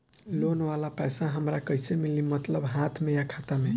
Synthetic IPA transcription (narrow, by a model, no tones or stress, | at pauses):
lonʋalapɛjsaɦəmɾakəjsemilimət̪ləbɦat̪ʰmejakʰat̪ame